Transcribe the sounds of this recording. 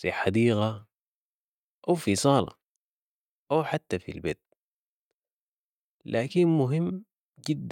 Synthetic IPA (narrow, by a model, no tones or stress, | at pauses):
fiħad̪iːɣa | ʔawfisˤɑːlɑ̰ | ʔawħat̪ːafḭlbeːt̪̚ | lʔaːkinmʊɦimː | d͡ʒid̪ː